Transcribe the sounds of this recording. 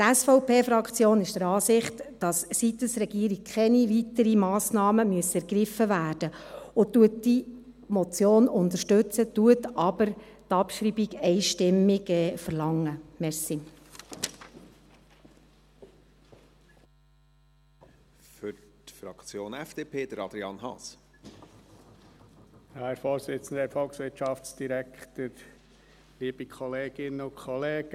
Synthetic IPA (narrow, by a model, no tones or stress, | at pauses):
t̪æsfɔʊpʰeːfɾɑkt͡sjoːnɪʃd̥əɾɑːsɪχtd̥ɑssit̪əsɾɛɡ̥iːɾik̚kʰɛniʋitəɾimɑːsnɑːməmyəsɛɾɡ̥ɾɪfəʋæːrd̥əʊtːuətːi | mɔt͡sjoːnʊnd̪əʃtʉt͡sətuətɑb̥əɾtɑpʃɾibiɡɛɪʃtɪmːiɡɛːfəɾlɑŋːəmɛɾsi | fʏɾtfɾɑkt͡sjoːnɛfd̥eːpʰeːd̥̪əɾɑd̪ɾiɑnɦɑ̰ːs | jɑːæɾfoːɾsɪt͡sən̩d̪əfɔlksʋɪtʃɑft͡sd̥iɾækʰt̪əɾ | liːb̥ikʰɔleːɡ̥ɪnəʊkʰɔleːɡ̥ə